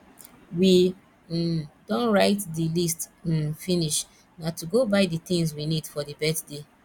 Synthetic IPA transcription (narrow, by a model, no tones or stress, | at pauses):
wi | d̥ɔ̃nɹaɪtdilistfiniʃ | natuɡobaɪdit̪ĩŋzwinidfɔdibɛtde